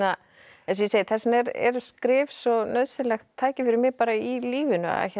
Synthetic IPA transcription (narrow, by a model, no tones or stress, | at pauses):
a | ɛns̬jɛseːjɪθɛsnɛɾɛ̰ɾskɾɪːvsɔnœðsɪlɛxt̪ʰːaːjcɪfɪɾɪmɪpaːɾailiːvɪnʏ̰a̰ɛ̰ç